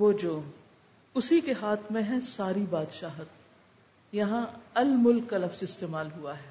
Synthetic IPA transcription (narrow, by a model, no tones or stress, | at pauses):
ʋoːd͡ʒoː | ʊsikeɦaːt̪ʰmẽɦɛ̃saːɾibaːd̪ʃaːɦət̪ | jɐɦãɐlmʊlkːalɐfsɪst̪eːmaːlɦuaɦɛː